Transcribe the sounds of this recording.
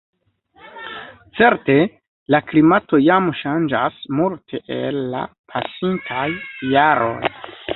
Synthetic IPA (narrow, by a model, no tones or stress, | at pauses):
t͡se̞ɾte̞ | laklimato̞jamʃand͡ʒasmultʰe̞ʔelːa̰ | pʰasintʰajːaɾʔo̞̰j